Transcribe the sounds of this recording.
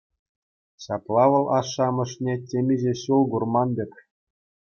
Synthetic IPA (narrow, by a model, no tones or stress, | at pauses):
ɕɑplˠɑʋɤ̆lˠʔɑʂːɑmɤ̆ʂnʲetʲemʲiʑeɕulˠɡurmɑndʲɘ̆kʲ